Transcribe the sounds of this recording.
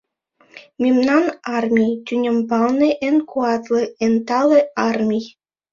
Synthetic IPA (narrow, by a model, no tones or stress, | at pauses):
mʲimnɑnɑrmʲijt̪ʲynʲɘ̆mpɑlnɤʔenkʰuɑt̪lɤent̪ɑlɤɑrmʲij